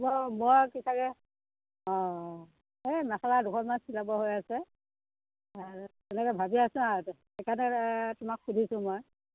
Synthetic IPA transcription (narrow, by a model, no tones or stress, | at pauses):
bɔmɔjkisakɛ | ɔ̃ | emɛxaladukʰɔtmansilabɔɦojasɛ | aɹ | ɛnɛkɛbʱabiasʊ̃aɹt | ɛkanɛtʊmakxudʱisʊ̃moj